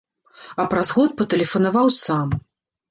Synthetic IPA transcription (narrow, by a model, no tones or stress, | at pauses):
ɐpɾazɣɔt̪̚pɐt̪ɐlʲɛfɐnavawsam